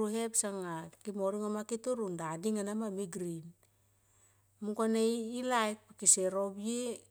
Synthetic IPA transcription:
uɦe̞psaŋakimoɾiŋomakituɾundadiŋanamamiɡɾin | mukanejilajk̚pikiseɾobie

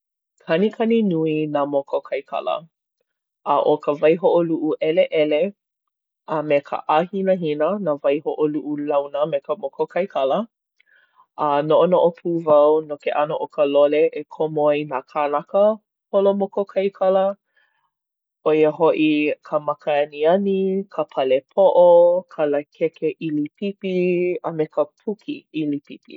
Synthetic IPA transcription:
kʰɐnikʰɐninuinamokokʰɐjkʰɐ̰lə̰ | ʔɐ̰ʔokəvɐjɦoʔoluʔuʔɛleʔɛle | ɐmekʰə̰ʔahinəɦinənavɐjhoʔoluʔulɐwnəmekəmokokʰɐjkʰɐlə | ʔɐnoʔonoʔopʰuvɐwnokeʔɐnoʔokəloleʔekʰomojnakʰanakə | holomokokʰɐjkʰɐlə | ojəɦoʔikʰəmakəɐniɐnikʰəpʰɐlepʰoʔokʰɐləkʰekeʔilipipiəmekəpʰukʰiilipipḭ

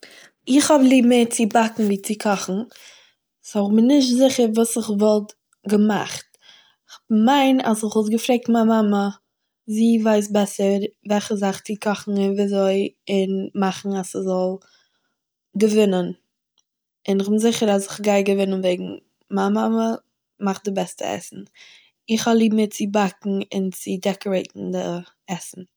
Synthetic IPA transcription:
ɪχhɔblˠiːbmet͡sɪbatn̩viːt͡sɪkʰɔχn̩ | sɔɪχbɪnɪʃ̬tzɪχəɾvuːsɪχvɔlˠt | ɡəma̰χt | ɪχhɔbmaɪna̰sɪχvɔlˠt̬ɡəfɾeɪk̚tmaːmamə | ziːvaɪs̬bɛsəɾvɛlˠχəzaχt͡sɪkʰɔχn̩ɪnviːzoɪɪnmaχn̩asəzɔlˠ | ɡəvɪnən | ɪnɪχbɪnzɪχəɾas̬ɪχɡaɪɡəvɪnənveɪɡŋ̩ | mamamə | maχ̚dɪbɛstə̰ɛ̰sn̩ | ɪχɔlˠiːbm̩ɪt̚t͡sɪbakŋ̩ɪ̰nt͡sɪdɛkɔɾeɪtn̩dɪ | ɛsn̩

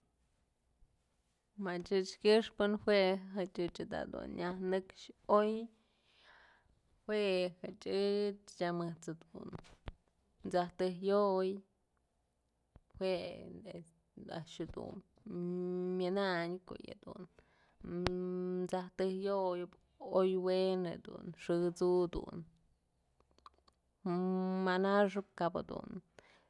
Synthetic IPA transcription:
mat͡ʃɨt͡ʃkʲɨʂpɨnhwʷeɦat͡ʃɨt͡ʃad̪a̰d̪ṵnjahnɨkʃoj | hwʷehat͡ʃɨt͡ʃt͡ʃamɨt͡sɨd̪un | t͡saht̪ɨjoj | hwees | aʃud̪ṵn | mʲɨnaɲko̰ja̰d̪ṵn | t͡saht̪ɨhjoj | ojwened̪ṵnʂɨt͡sud̪ṵn | manaʂ̬ɨkabad̪ṵn

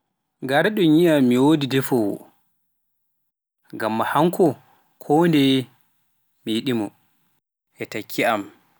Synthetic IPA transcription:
ɡaɾaɗɔɲijamiwodidɛfɔwɔ̰ | ŋɡamːahaŋkɔ | kʰɔndɛ | mijiɗimɔ | ʔɛtakʰːiam

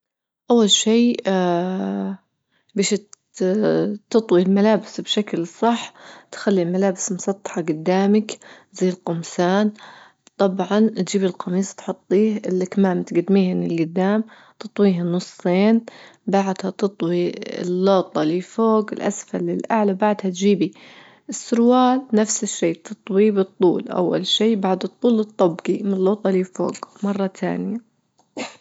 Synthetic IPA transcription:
ʔawːalʃiː | beːʃ | t̪ɨt̪ˤwilmalaːbɪsbʃaklsˤɑħːt̪xalːilmalaːbɪsmʊsɑt̪ˤːɑ̥ħɑɡʊd̪ːaːmak | ziːlqʊmsaːn | t̪ˤɑbʕɑnt̪d͡ʒiːbɪlqɑmiːst̪ħʊt̪ˤːiːhʔɪlːɪkmaːmt̪ɡad̪miːhɪnɪlɡʊd̪ːaːm | t̪ɨt̪ˤwiːhanʊsˤeːnbaʕd̪hat̪ɨt̪ˤwiɪ̰lːoːt̪ˤːɑlifoːɡɪlʔa̰sfalɪlʔaʕlabaʕd̪hat̪d͡ʒiːbi | ʔɪsːʊɾwaːlnafsɪʃːiːt̪ɨt̪ˤwibɨt̪ˤːṵːlʔa̰wːa̰lʃiːbaʕd̪ɨt̪ˤːuːlɨt̪ˤːɑbɡimɪɪlːoːt̪ˤɑlifo̰ːɡmɑrˤːɑt̪ʰa̰ːnɪja

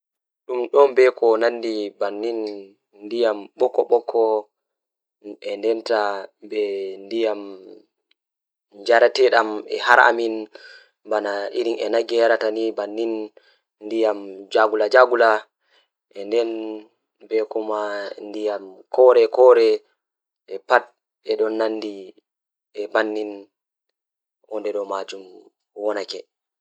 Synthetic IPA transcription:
ɗumɗɔnbɛkɔnandibanːinː | dijamɓɔkːɔɓɔkʰːɔ | ɛndɛntabɛndijam | d͡ʒaɾatɛɗamɛ̰haɾa̰min | banaiɾinɛ̰naɡɛjaɾatanibanːin | ndijamd͡ʒaɡulad͡ʒaɡula | ʔɛndɛn | bɛkɔmandijamkʰɔɾɛkɔɾɛ | ʔɛpat̚ | ɛɗɔnːanːdi | ɛbanːin | ʔɔndɛɗɔmad͡ʒum | wɔnakɛ

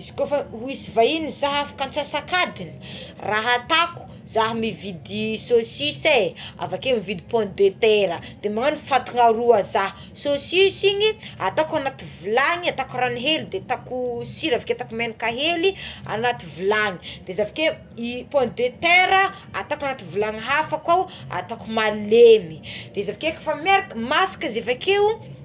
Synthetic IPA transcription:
izi̥kofauisivainizaɦafḁkant͡sasakad̪ini̥raɦat̪aku̥ | zaɦmivid̪isosisea̰vakemivid̪ipɔ̃nd̪et̪eɾəd̪̥emaŋanifat̪uŋaɾuazaɦ | sosisiɲiat̪akanat̪ivilaŋiat̪akuɾaniɦelid̪et̪akusiɾavakeat̪akumenikaɦelia̰nat̪ivilaŋid̪̥ezavake | ipɔ̃nd̪et̪eɾə | at̪akanat̪ivulaŋiɦafakawa̰t̪akumalemid̪̥ezavakekə̥famjaɾakəmasi̥kazevakeu

